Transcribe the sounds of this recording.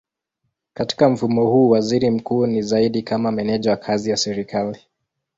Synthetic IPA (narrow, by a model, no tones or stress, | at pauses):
kati̥kam̩fumɔhuːwaziɾim̩kuːnizaiɗikamamɛnɛʄawakʰazijasɛɾikʰali